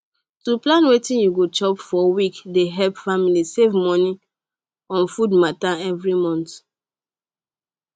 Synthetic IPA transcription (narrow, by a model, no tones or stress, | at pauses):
tuplãnwetĩnjuɡot͡ʃɔpfɔwikdeɦɛlpfamilisevmɔni | ɔ̃nfudmataɛvɹimɔ̃nt